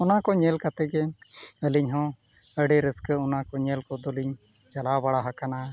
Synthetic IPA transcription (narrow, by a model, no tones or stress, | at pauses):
ɔnakɔɲɛlkat̪ɛɡɛəliɲɦɔ̃ | əɖɛɾəskəɔnakɔɲɛlkɔd̪ɔliɲt͡ʃalabaɽaɦakana